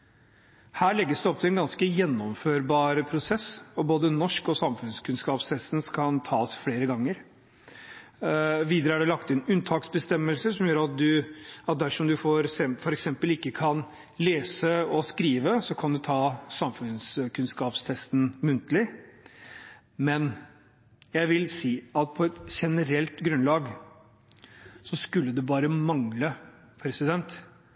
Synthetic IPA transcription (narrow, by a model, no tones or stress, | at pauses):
hæːɭɛɡːəsd̪ɛɔp̚t̪ʰɪlɛnɡɑnskəjɛnːɔmføːɾbɑːɾəpʰɾʊsɛsɔboːd̪ənɔʂkɔsɑmfʉnskʰʉnskɑːpst̪ʰɛst̪nskʰɑnt̪ʰɑːsfɽeːɾəɡɑŋːəɾ | ʋiːd̪ɾəæɖɛlɑkt̪ɪnʉnt̪ʰɑːksbəst̪ɛmːəlsəʂɔmjøːɾɑt̪̚d̪ʉɑt̪̚d̪æʂɔmd̪ʉfoɾsɛfɔɾɛksɛmpəlɪkːəkʰɑn | leːsəɔskɾiːʋəsɔkʰɑnd̪ʉt̪ʰɑːsɑmfʉnskʰʉnskɑːpst̪ʰɛst̪n̩mʉnt̪əlɪ | mɛn | jæɪʋɪlsiːɑt̪̚pʰɔɛt̪ɕɛnəɾɛlt̪ɡɾʉnlɑːɡ | sɔskʉlːəd̪ɛbɑːɾəmɑŋlə | pʰɾɛsɪd̪ɛnt̪